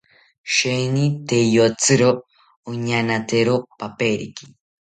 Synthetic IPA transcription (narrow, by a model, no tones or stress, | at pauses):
ʃejnit̪ejot͡sɨɾo | oɲanat̪eɾopapeɾḭki̥